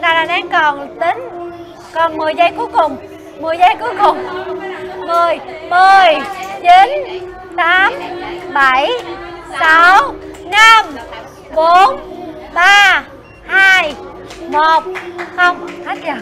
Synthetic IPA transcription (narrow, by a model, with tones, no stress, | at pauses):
ɗaː˧˩laː˨˧˩ɗa˨˦ŋkɔ˨˩nt̪i˨˦ŋ̟ | kɔ˨˩nmɨ˨˩əjzə˧jku˨˦jkʊ˨˩ŋ͡m | mɨ˨˩əjzə˧˦jku˨˦jkʊ˨˩ŋ͡m | mɨ˨˩əjmɨ˨˩əjt͡ɕi˨˦n | t̪aː˨˦mɓa˧˩jsa˨˦wna˧m | ɓo˨˦nɓaː˧ | haː˧j | mo˨˩t̚xə˧wŋ͡m